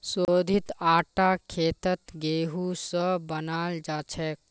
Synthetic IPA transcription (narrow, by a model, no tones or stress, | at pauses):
sod̪ʱit̪aːʈakʰeːt̪ət̪ɡeɦusə̃bənald͡ʒat͡ʃʰɛk̚